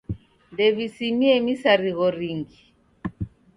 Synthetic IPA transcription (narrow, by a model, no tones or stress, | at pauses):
ndɛβisimiɛmisaɾiɣɔɾiŋɡi